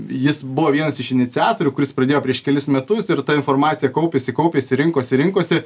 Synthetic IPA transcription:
jɪsbʊʋoːʋʲiɛnɐsɪʃɪnʲɪt̪ʲɪɑːt̪oːɾʲʊkʊɾʲɪsprɐd̪ʲeːjoːpʲɾʲiɛʃkʲɛlʲɪsmʲɛt̪ʊsɪɾt̪ɐɪnfoːɾmɑːt̪ʲɪjɛkɐʊpʲeːsʲɪkɐʊpʲeːsʲɪɾʲɪŋkoːsʲɪɾʲɪŋkoːsʲɪ

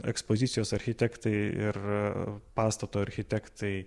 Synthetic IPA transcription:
ɛ̰kspoːzʲɪt̪sʲɪjoːsɐɾʲxʲɪt̪ʲɛkt̪ɐɪɪ̰r | pɑːst̪ɐt̪oːɐɾʲxʲɪt̪ʲɛkt̪ɐɪ

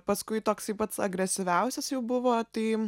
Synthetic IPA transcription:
pɐskʊɪt̪oːksɐɪpɐt̪sɐ̰ɡɾʲɛsʲɪʋʲɛʊsʲɛsjɛʊbʊʋoːt̪ɐɪ

